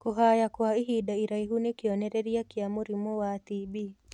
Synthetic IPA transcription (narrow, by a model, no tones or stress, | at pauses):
kuɦajakwaiɦidaiɾaiɦunekiɔnɛɾɛɾiakiamoɾimɔwatibi